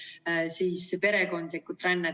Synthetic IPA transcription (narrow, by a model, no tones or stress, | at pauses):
siːspe̞ɾe̞ko̞nd̪likːˑut̪ːˑɾænːe